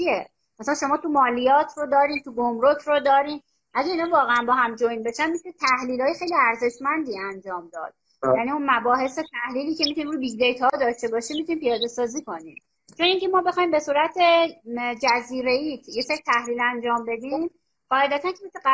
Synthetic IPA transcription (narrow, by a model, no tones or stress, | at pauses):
t͡ʃie | mæsælænʃo̞mɒːt̪ʰumɒːlijɒːt̪ʰrod̪ɒːɾiːnt̪ʰuɡomɾocʰɾod̪ɒːɾiːn | ʔæɟæiːnɒːvɒːɣeænbɒːɦæmd͡ʒojnbe̞ʃænmit̪ʰunit̪ʰæhliːlɒːje̞xe̞jliæɾze̞ʃmænd̪iːænd͡ʒɒːmd̪ɒ̰ːd̪̥̚ | jæniːunmæbɒːɦe̞set̪ʰæhliːliːcʰe̞mit̪unimɾuːbiɡd̪e̞jt̪ʰhɒːd̪ɒʃt̪e̞bɒːʃiːmit̪uniːmpijɒːd̪e̞sɒːziːko̞niːm | t͡ʃʰo̞niŋcʰe̞mɒːbe̞xɒːimbe̞suːɾæt̪ʰed͡ʒæziːɾe̞iːt̪ʰjeseɾit̪ʰæhliːlænd͡ʒɒːmbe̞d̪iːm | ɢɒːhed̪æt̪ʰæncʰemese